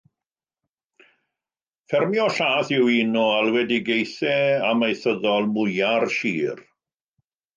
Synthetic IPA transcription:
fɛrmjɔɬaːθɪwinɔalˠwɛdiɡejθɛamajθəðɔlˠmʊjarʃiːr

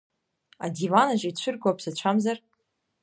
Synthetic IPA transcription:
adivanaʒait͡ɕʷʰʏrɡʷapʰsat͡ɕʷʰamzar

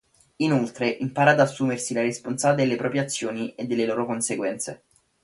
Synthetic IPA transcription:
inolt̪ɾeʔimpaːɾaːd̪asːuːmersilaɾisponsaːd̪elːepɾɔːpɾjat̪sːjoːnied̪ːelːeloːɾokonseɡwɛnt̪se

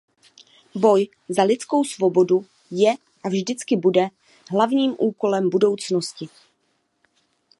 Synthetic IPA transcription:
bo̞j | zalɪt͡sko̞wsvo̞bo̞du | jɛ | ʔavʒdɪt͡skɪbudɛ | ɦlavɲiːmʔuːko̞lɛmbudo̞wt͡snoscɪ

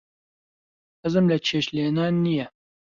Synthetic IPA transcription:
hɨzɨmlɐt͡ʃʰeːʃleːnaːnːijɛ

